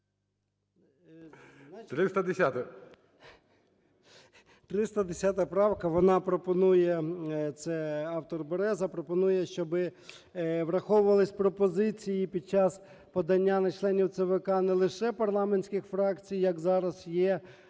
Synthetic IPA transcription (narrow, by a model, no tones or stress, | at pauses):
nt̪ɾɪst̪ɐd̪esʲat̪ɐ | t̪ɾɪst̪ɐd̪esʲɑt̪ɐpɾɑwkɐʋɔnɑpɾɔpɔnujɛt̪sɛɑwt̪ɔrbɔɾɛzɐpɾɔpɔnujɛʃt͡ʃɔbɪ | ʋɾɐxɔʋʊʋɐlˠɪsʲpɾɔpɔzɪt͡sʲijipʲid̪̚t͡ʃɑs | pɔd̪ɐnʲːanɐt͡ʃlˠɛnʲiwt̪sɛʋekɑnɛlˠɪʃɛpɐrlˠɑmenʲsʲkʲɪxfɾɑkt͡sʲijjɐkzɑɾɐsjɛ